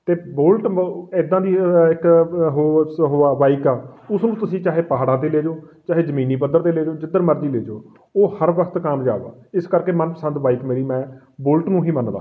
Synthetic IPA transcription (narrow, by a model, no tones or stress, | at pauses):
t̪eːbolʈɪd̪ãːd̪iːɪkɦoɦoːaːʋaːikaːʊsnũːt̪ʊsĩːt͡ʃaːɦeːpaɦaːɽãːt̪̬eːleːd͡ʒoː | t͡ʃaːɦeːd͡ʒəmiːniːpəd̪əɾt̪eːleːd͡ʒoːd͡ʒɪd̪əɾməɾd͡ʒiːleːd͡ʒo̰ː | oːhəɾʋəkʰt̪kəmd͡ʒa̰ːʋa̰ːɪskəɾkeːmənpəsənd̪ʋaːiːkmeːɾiːmɛ̃ː | bʊlʈnũːɦiːmənd̪a̰ː